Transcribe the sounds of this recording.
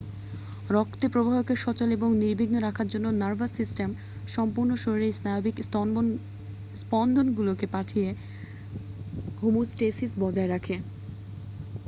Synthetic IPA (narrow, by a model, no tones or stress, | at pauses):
ɾɔkt̪epɾobʱaɦokeʃɔt͡ɕoleboŋniɾbʱiɡnoɾakʰaɾd͡ʑonːonaɾbʱasisʈem | ʃɔmpuɾnoʃoɾɾejsnaobiks | spɔnd̪ʱonɡulokepaʈʰije | ɦumusʈesisbɔd͡ʑaeɾakʰe